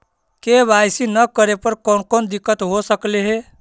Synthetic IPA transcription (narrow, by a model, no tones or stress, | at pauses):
kebʱajsinəkəɾepəɾkɔnkɔnd̪ikːət̪ɦosəkleɦe